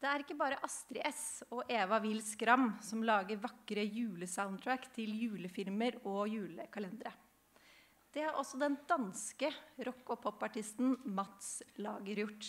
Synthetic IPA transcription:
d̪̥ɛæɾɪkːəbɑːɾəʔɑst̪ɾɪʔɛsɔʔeːʋɑʋɪlskɾɑmsɔmlɑːɡəɾʋɑkːɾəjʉːləsaʊnʰɹækt̪ʰɪljʉːləfɪlməɾɔjʉːləkʰɑlɛnd̪ɾə | d̪̥ɛhɑɾʔɔsːɔd̪ɛnd̪ɑnskəɾɔkːɔpʰhɔpːɑʈɪst̪nmɑt̪slɑ̰ːɡəɾjʊʈː

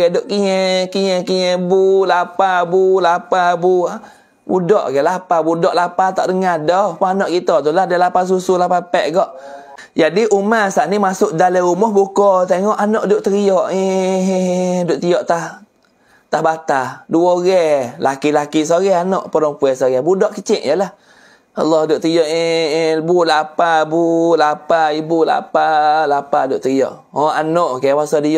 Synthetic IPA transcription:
ɛdoʔkiɲɛkiɲɛkiɲɛbulapabulapabu | bṵdɔʔɡɛʔlapabudɔʔlapat̪ɔ̰ʔdəŋadɔpaanɔʔkit̪ɔt̪ulahdalapas̬usulapapɛʔɡɔʔ | d͡ʒadiʔumasaʔnimasʊʔdalɛumɔhbukɔt̪eŋɔʔanɔʔdʊʔt̪əɾiɔʔi | doʔt̪ijɔʔt̪ah | t̪ahbat̪aduoɣɛlakilakis̬oɣɛanɔʔpɔɾɔŋpuɛsoɣɛbudɔʔkit͡ʃɪʔjalah | a̰lːɔhdʊʔt̪əɾijɔʔibulapabulapaibula̰palapadʊʔt̪əɣiɔ̰ʔ | ɔanɔʔkaawasɔdijɔʔ

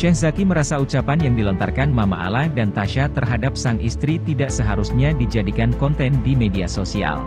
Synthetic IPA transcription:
ʃɛhzakiməɾasaut͡ʃapanjaŋdilɔnt̪arkanmama̰a̰lahdant̪aʃat̪ərɦadap̚saŋʔist̪ɾit̪idaʔsəɦaɾusɲadid͡ʒadikankɔnt̪ɛndimediasosia̰l

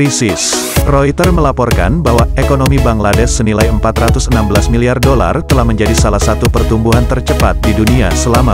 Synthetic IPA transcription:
isɪs | roit̪ərməlapɔrka̰nbaɦwaekonomibaŋladɛsːənilajəmpat̪rat̪usənambəlasmiliardola̰rt̪əlahməɲd͡ʒadisalahsat̪upərt̪umbuɦant̪ərt͡ʃəpat̪̚diduniasəlama

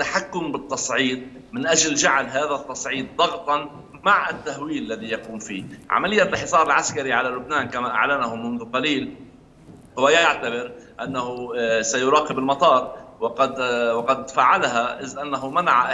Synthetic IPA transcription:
t̪ːaħakːʊmbɨt̪ˤːɑsˤʕiːd̪̚ | mɪnʔaʒld͡ʒaʕlɦaːðat̪ːɑsˤʕiːd̪̚ːˤɑɣt̪ˤɑn | maʕɪt̪ːahwiːllːaðijɑquːmfiːʕa̰malɪjːalħɪsˤɑːɾˤɪlʕaskaɾiʕalalʊbnaːnkamaʔa̰ʕlanahʊmːʊnðʊqɑliːl | hʊwajajaʕt̪abɪɾʔanːaɦʊsajʊɾɑːqɪbɪlmɑt̪ˤɑːɾˤwɪqɑd̪wɑqɑd̪faːʕalaɦaʔɪzʔanːaɦʊmanaʕa

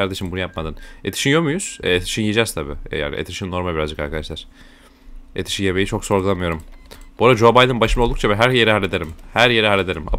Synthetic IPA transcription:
aɾd̪e̞ʃimbunujapmad̪ɯnet̪ʰi̥ʃinjomujuz̥ɛet̪ʰi̥ʃinjid͡ʒɛzt̪ʰabḭːja̰ːnḭʔet̪ʰiʃinːo̞ɾmabiɾazd͡ʒɯkaɾkʰad̪aʃlʲˠaɾ̥ | et̪ʰi̥ʃijeβejit͡ʃʰo̞kso̞ɾɡulˠamɯjo̞ɾumb̥oɾad͡ʒo̞bajd̪ɯnbaʃɯmaolˠd̪uk̚t͡ʃʰabɛɦæɾjeɾɛhalʲːed̪eɾimhæɾjeɾɛɦalʲːed̪eɾima̰

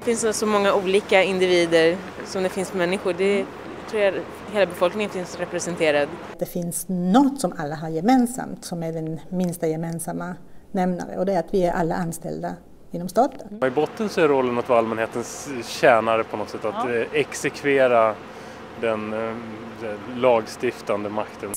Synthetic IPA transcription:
fɪnssɔmɔŋːauːliːkaɪnd̪ɪviːd̪əɾ | sɔmd̪ɛfɪnsmɛnːɪɧʊɖɛ | t̪ʰɾuːja | heːlabɛfɔlknɪŋənfɪnsɾɛpɾɛsɛnt̪ʰeːɾad̪̚d̪ɛfɪnsnɔt̪ːsɔmalːaɦaɾjɛmeːnsa̰mt̪sɔmæɖɛnmɪnst̪ajɛmeːnsamːa | nɛmna̰ɾə̰ɔd̪ɛæɾat̪vɪæɾʔalːa̰ʔanːst̪ɛ̰ld̪a | ɪnːɔmst̪ɑːt̪ənɪbɔt̪ːənsɔæɾɔlːənat̪vaːalmɛnheːt̪ənsɕɛːnaɾəpʰɔnɔt̪sɛt̪ːat̪ɛksɛkʰveːɾa | d̪ɛn | ɛlɑːɡst̪ɪft̪and̪əmakt̪ʰən

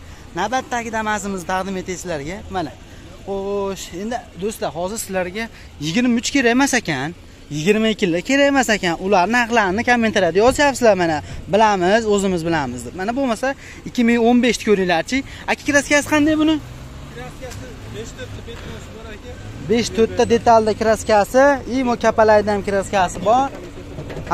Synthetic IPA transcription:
nabat̪ːakʲɪd̪amazɪmɪzt̪ʰaqd̪ɪme̞t̪ʰajsɪlaɾɡʲamana | χoʃe̞nd̪ɪd̪ɵst̪lahɒzɪɾsɪlaɾɡʲa | jɪɡʲɪɾmaʊt͡ʃkʲʰe̞ɾajmasakʲan | jɪɡʲɪɾmaɪkʲːɪlːɪkʲʰe̞ɾajmasakʲanʊlaɾnɪhɑχlˠaɾɪnɪkʲʰamːent̪ʰaɾad̪ɪjɒzɪjapsɪzlaɾmanabɪlamɪzɵzɪmɪzbɪlamɪzd̪ɪp̚manabolˠmasa | ɪkʲʰːɪmɪŋonbeʃt̪ʰɪ̥kʰoɾijlaɾt͡ʃʰɪ | akʲʰɪ̥kʲɾaskʲasɪ̥qʰɑnd̪ajbʊnɪ | be̞ʃt̪ʰɵt̪ːad̪e̞t̪ald̪akʲɪɾaskʲasɪɪmʊkʲʰapalajd̪ajamkʲɪɾaskʲasɪbɒɾ

